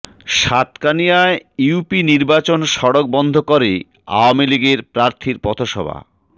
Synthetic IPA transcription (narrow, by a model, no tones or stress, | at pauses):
ʃat̪kanijaeiupiniɾbat͡ɕonʃɔɽok̚bɔnd̪ʱokoɾe | a̰oamiliɡeɾpɾaɾt̪ʰiɾpɔt̪ʰoʃɔ̰bʱa̰